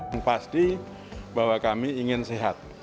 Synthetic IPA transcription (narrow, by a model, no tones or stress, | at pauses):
ŋpast̪i | bawakamiːŋɪnseɦat̪̚